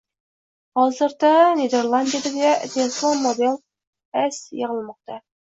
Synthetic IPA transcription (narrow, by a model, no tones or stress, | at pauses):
ɑlˠzəɾt̪ɑned̪eɾlˠand̪ijad̪ed̪ed̪ʲeslˠommːod̪elˠ | æsjəʁəlˠmɑq̚t̪ɑ